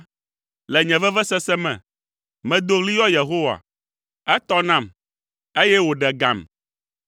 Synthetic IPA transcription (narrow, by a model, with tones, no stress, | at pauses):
lɛ˨ɲɛ̃˨vɛ˦vɛ˦sɛ˦sɛ˦mɛ̰̃˨ | mɛ̃˨d̪o˦ɣli˦jɔ˦je˨ɦo˦wa̰˨ | ɛ˦t̪ɔ˦nã˦˨m | e˦jɛ˦wo˨ɖɛ˨ɡã˨m